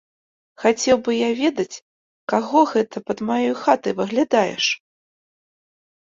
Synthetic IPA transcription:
xat͡sʲɛwbɨjavʲɛd̪ɐt͡sʲ | kaɣɔɣɛt̪ʰɐpɐd̪majɔjxat̪ɐjvɨɣlʲad̪ajɛ̰ʂ

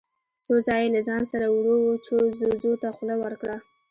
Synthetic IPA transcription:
sozɑjelazɑnsaɾawɽowut͡ʃozozot̪axlawəɾkɽa

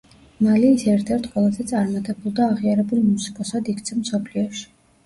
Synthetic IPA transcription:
maliːsɛɾt̪ʰɛɾt̪ʰqʼwɛlˠazɛt̪sʼaɾmat̪ʼɛbulˠd̪aːʁiaɾɛbulˠmusi̥kʼɔsad̪ikʰt̪sʰɛmsɔpʰliɔʃi̥

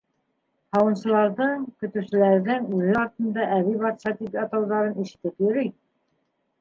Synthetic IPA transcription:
hɑwɤ̆nɕɤ̆lˠɑɾðɤɴkɵ̆t̪ʉsɘ̆læɾðɘŋʉlɘɑɾt̪ɤ̆nd̪ɑʔæβiβɑt̪ʃɑt̪ipɑt̪ɑwðɑɾɤniʃɘ̆t̪ɘpjɵ̆ɾɘj

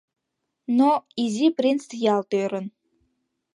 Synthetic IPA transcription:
noizʲipɾinsjɑlˠt̪øɾə̆n

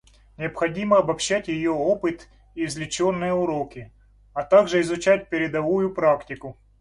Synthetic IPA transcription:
nʲɪɐpxɐdʲimɐɐbɐpɕːætʲjɪjoopɨt̪ | ivzʲlʲɪt͡ɕonːɨjəʊɾokʲɪ | ɐt̪aɡʐɨɪzʊt͡ɕæt̚ʲpʲɪɾʲɪd̪ɐvujʊpɾaktʲɪkʊ

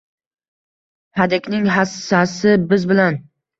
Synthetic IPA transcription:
had̪ekʲnɪŋɦasːasɪbɪzbɪlan

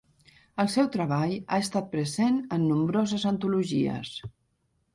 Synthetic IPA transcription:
əlˠsɛwt̪ɾəβ̞aʎa̰əst̪at̪̚pɾəzenənːumbɾɔzəzənt̪uluʒiə̰s

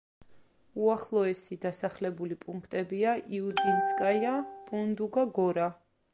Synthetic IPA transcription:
uaχlˠɔɛsid̪asaχlɛbulipʼuŋkʰt̪ʼɛbiaʔiud̪inskʼajapʼund̪uɡaɡɔɾa

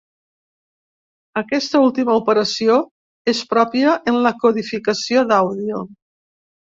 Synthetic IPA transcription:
əkɛst̪əulˠt̪iməupəɾəsio | espɾɔpiəʔənləkuðifikəsioðawðio

